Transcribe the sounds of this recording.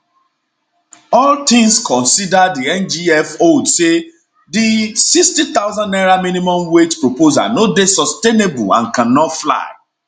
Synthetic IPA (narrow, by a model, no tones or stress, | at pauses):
ɔlt̪ĩŋskʰɔ̃nsidadiɛ̃nd͡ʒiɛfodse | disikstit̪aʊzãnɛɹaminimɔ̃mwetpɹopoza̰nodesɔstenebulã̰nkãnːɔtfla̰ɪ